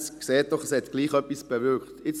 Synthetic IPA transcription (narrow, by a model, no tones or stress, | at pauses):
skseːt̚d̥ɔχəshɛt̪ɡ̥liːχœpːisb̥ɛvʏɾkχt̪ɪt͡s